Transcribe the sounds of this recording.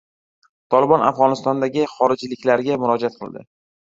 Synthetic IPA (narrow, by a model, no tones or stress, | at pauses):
t̪ʰɒlɪbɒnafʁɒnɪst̪ɒnd̪aɡʲɪχɒɾɪd͡ʒlɪkʲlaɾɡʲamʊɾɒd͡ʒat̪̚qʰɨlˠd̪ɪ̰